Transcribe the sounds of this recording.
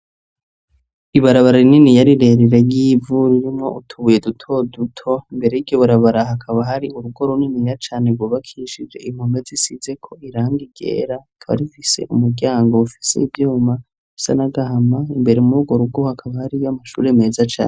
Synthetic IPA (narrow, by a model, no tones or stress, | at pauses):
iβaɾaβaɾaininijaɾiɾe̞ɾeɾejivuɾiɾimŋo̞ʔutʰuβuje̞dutʰo̞dutʰo̞imbe̞ɾe̞jiɡɟoβaɾaβaɾaɦakʰaβaɦaɾiuɾuɡo̞ɾoninijat͡ʃaːneɡoβakʰiʃid͡ʒe̞̰ʔim̥humezisize̞kʰo̞iɾaːŋɡiɡe̞̰ːɾaakʰaβa̰ɾifise̞̰ʔumuɾɟaːŋɡo̞ufi̥se̞̰ivjuːma | i̥sa̰naɡahamaimbe̞ɾemuɾuɡwo̞ɾuɡohakʰaβahaɾijamaʃṵːɾeme̞ːzat͡ʃa̰ːne